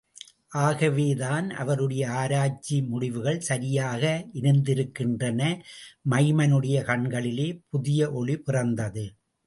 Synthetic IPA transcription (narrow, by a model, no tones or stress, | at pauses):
ʔaːɣɐʋeːðaːnʔɐ̰ʋɐɾɯɽɐjɐaːɾaːt͡ʃːimʊɽɪʋɯɣɐɭsɐɾɪjaːɣɐɪɾɯnd̪ɪɾɯkːɪndrɐnɐmɐɪmɐnɯɽɐjɐkɐɳɡɐɭɪleːpʊðɪjɐʔɔɭipɪrɐnd̪ɐðɯ